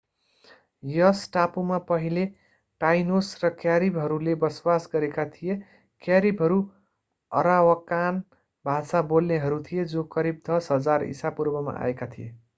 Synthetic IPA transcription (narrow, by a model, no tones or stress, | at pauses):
jʌsʈapumapʌɦile | ʈajnosrʌkjaɾibɦʌɾulebʌswasɡʌɾekat̪ʰije | kjaɾibɦʌɾu | ʌ̰ɾawʌkan | bʱasabolneɦʌɾut̪ʰijed͡zõkʌɾib̚d̪ʌsɦʌd͡zarḭsapurbʌma̰ʔa̰ekat̪ʰijḛ